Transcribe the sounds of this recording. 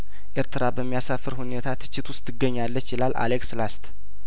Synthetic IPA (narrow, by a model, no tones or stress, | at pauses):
ʔeɾt̪ʰɨɾabəmːijasafːɨɾhune̞t̪ʰat̪ʰɨ̥t͡ʃːɪt̪ʰwʊst̪ʰːɨɡːəɲːalːət͡ʃːɪlalʔa̰lekslast̪